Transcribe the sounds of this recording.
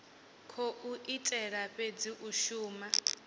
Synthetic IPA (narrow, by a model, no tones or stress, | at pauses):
kʰoʔuʔitʼɛɺaɸed͡ziʔuʃuːma